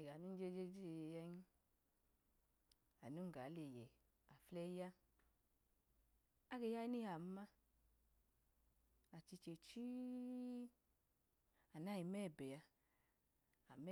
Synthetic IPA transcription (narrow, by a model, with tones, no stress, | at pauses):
e˨ɡa˨nu˦n˦d͡ʒe˦d͡ʒe˦d͡ʒe˦˨ja˦ɲ˦ | a˨nu˦ŋ˦˨ɡa˨˦le˨jɛ˨ | a˨flɛ˦ja˦ | a˦ɡe˧ja˦i˦ni˦a˨˦ma˦ | a˨t͡ʃi˧t͡ʃe˨t͡ʃi˦ | a˨na˦˨ji˨mɛ˦˨bɛ˨a˧ | a˨m˦